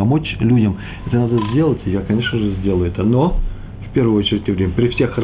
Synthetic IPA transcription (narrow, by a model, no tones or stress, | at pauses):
ɐmo̞t͡ɕlʲudʲəm | ɛt̪ənad̪əzʲdʲe̞lˠətʲɪjakɐnʲe̞ʂnəʐɨzʲdʲelˠəjʊɛt̪əno | fpʲe̞rvəjot͡ɕɪɾʲɪtʲɪvɾʲemʲəpɾʲɪfsʲe̞xr